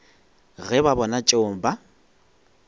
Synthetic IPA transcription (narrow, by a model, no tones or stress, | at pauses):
ɣɛbabɔnat͡ʃʼeʊŋ̩ba